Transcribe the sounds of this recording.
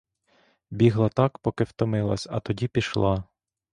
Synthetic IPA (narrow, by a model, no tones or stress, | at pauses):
bʲiɦlˠɐt̪ɑkpɔkɪwt̪ɔmɪlˠɐ̰sʲɐ̰t̪ɔdʲipʲiʃlˠɑ